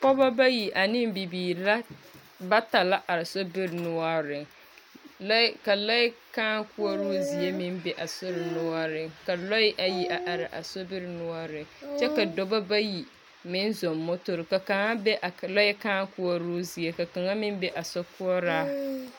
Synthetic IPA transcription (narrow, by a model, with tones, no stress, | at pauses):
pɔ˦ba˦ba˦ji˨ʔa˨nɪ˦m˦bi˨biː˨la˦ | ba˦ta˨la˦ʔa˨ɾɪ˨so˦bɪ˦ɾnʊ˦ɔ˦ɾɪ˨ŋ | lka˨la˦kaː˦kʊ˦ɔ˦ɾuː˦zi˨e˦mɪ˦m˦bɛ˦ʔa˨sʊ˦ɾɪ˨nʊ˦ɔ˦ɾɪ˨ŋka˨lɔ˦ɪ˦ʔa˨ji˦ʔa˨ʔa˨ɾɪ˨ʔa̰˨so˦bɪ˦ɾnʊ˦ɔ˦ɾɪ˨t͡ʃɛ˦ka˨do˨ba˦ba˦ji˨ | mɪ˦n˦zo˨mːʊ˦tʊ˨ɾɪ˨ka˨ka˨ŋa˦bɛ˦ʔa˨la˦jɛ˦kaː˦ŋ˦ku˦ɔ˦ɾu˦zi˨e˦ka˨ka˨ŋa˦mɪ˦m˦bɛ˦ʔa˨sɔ˦ku˦ɔ˦ɾaː˦